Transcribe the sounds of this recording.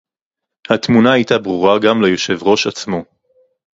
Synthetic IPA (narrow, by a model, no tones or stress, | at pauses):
hat̪munaajtabʁuʁaɡamlejo̞ʃe̞vʁo̞ʃat͡smo̞